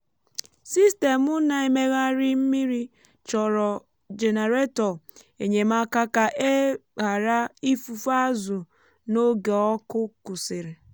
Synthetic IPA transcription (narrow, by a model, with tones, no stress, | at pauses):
si˦ste˨mʊ˦na˦e˨me˦ɣa˦ɾi˦m̩˦mi˦ɾi˦ | t͡ʃɔ˨ɾɔ˨ | d͡ʒe˨ne˨ɾe˦tɔ˨ | e˨ɲe˨m̩˦a˦ka˦ka˨ʔe˦ɣa˨ɾa˦i˦fu˨fa˦zʊ˨ | no˦ɡe˨ɔ˦kʊ˦kʊ˨sɪ˨ɾe˨